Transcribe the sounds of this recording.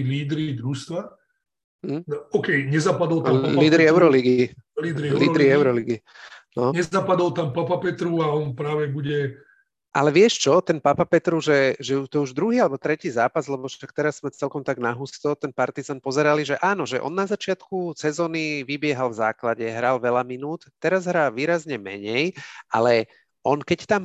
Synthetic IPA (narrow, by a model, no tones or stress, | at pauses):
iliːd̪ɾid̪ɾust̪ʋa | nɔkɛjɲɛzapad̪ɔlt̪aaliːd̪ɾiɛʊɾɔliɡiliːd̪ɾiliːd̪ɾiɛʊɾɔliɡinɔɲɛapad̪ɔlt̪ampapapɛt̪ɾuaɔnpɾaːʋɛbuɟɛ | ʔalɛʋɪɛʃt͡ʃɔt̪ɛnpapapɛt̪ɾuʒɛʒɛt̪ɔɛuʒd̪ɾuɦiːalɛbɔt̪ɾɛciːzaːpazlɛbɔʃak̚t̪ɛɾasːmɛt͡sɛlkɔmt̪aɡnaɦust̪ɔt̪ɛnpaɾt̪izanpɔzɛɾaliʒɛʔaːnɔʒɛʔɔ̰nːazat͡ʃɪat̪kusɛzɔːniʋibɪɛɦalvza̰ːklaɟɛɦɾalʋɛlaminuːt̪t̪ːɛɾazɦɾaːlʋiːɾazɲɛmɛ̰ɲɛjʔa̰lɛ | ɔnkɛct̪am